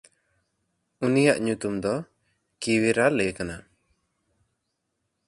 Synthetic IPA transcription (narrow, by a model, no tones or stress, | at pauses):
unijaʔɲut̪umd̪ɔ | kiwiɾalɛkana